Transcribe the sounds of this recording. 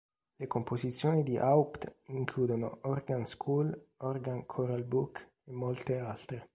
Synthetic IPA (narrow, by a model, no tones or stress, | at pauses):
lekompozit̪sːjoːnid̪iʔawpt̪iŋkʰluːd̪ono̰ɔrɡanskʰuːlɔrɡankʰɔɾalbukː | emːolt̪ealt̪ɾe